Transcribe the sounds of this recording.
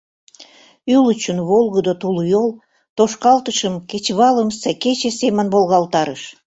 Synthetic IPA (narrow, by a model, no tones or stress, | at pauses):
ylət͡ɕunβolˠɣəd̪ot̪ulujolˠ | t̪oʃkɑlt̪əʃəmket͡ɕβɑləmsæket͡ɕesemənbolˠɣɑlt̪ɑɾəʃ